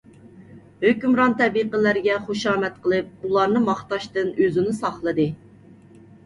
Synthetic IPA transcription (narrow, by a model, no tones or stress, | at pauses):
høkʲymɾɑnt̪ɛbiqəlæɾɡʲɛχoʃɑːmɛt̪̚qəlˠɨp̚ulˠɑɾnɨmɑχt̪ɑʃt̪ɨnøzɪnɪsɑχlˠɨd̪ɨ